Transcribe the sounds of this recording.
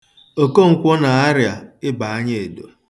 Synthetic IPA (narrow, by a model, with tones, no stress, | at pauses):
o˨ko˦ŋ̩˨kʷɔ˦na˨a˦ɾja˨ɪ˦ba˨a˦ɲe˦˨e˨do˨